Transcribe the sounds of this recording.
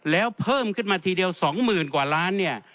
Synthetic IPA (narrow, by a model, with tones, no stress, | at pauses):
lɛː˦˥wpʰɤː˥˩mkʰɯ˥˩nmaː˧t̪ʰiː˧di˧əwsɔː˩˦ŋmɯː˨˩nkwaː˨˩laː˦˥nːi˥˩ɐ